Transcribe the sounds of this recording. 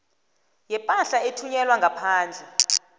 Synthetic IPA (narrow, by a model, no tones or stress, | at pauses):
jɛpʼanɬaetʰuɲɛlwaŋɡʱapʰaːnd͡ɮʱɛ